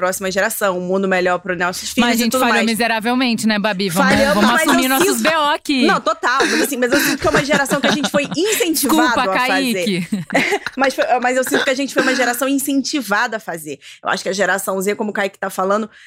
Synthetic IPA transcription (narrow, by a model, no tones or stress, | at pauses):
pɾɔsimɐʒeɾasɐ̃w̃ũmũd̪ʊmeʎɔɾpɾʊnɛwsufimɐzaʒẽnt͡ʃudaalomizeɾavewmẽnt͡ʃɪnɛbabivɐ̃fʎɐ̃vɐ̃mʊamɐszumeiɾnɔsʊsbeɔakinɐ̃w̃t̪ot̪aw̪ẽasĩmɐzewsĩnt̪ʊ̥kfɛumɐʒeɾasɐ̃w̃kɪaʒẽnt͡ʃɪ̥fojĩsẽnt͡ʃikuvdpɐkafaieki | mɐsfojɛmɐzewsĩnt̪ʊkɪaʒẽnt͡ʃɪ̥fojumɐʒeɾasɐ̃w̃ĩsẽt͡ʃivad̪ɐɐfazeɾewʔa̰ʃʊ̥kɪɐʒeɾasɐ̃w̃zĩɐkõmʊkaikɪ̥t̪afalɐ̃nd̪ʊ